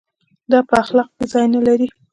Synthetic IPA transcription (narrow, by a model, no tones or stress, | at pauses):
d̪ɑpəaxlɑq̚kezɑjnalaɾi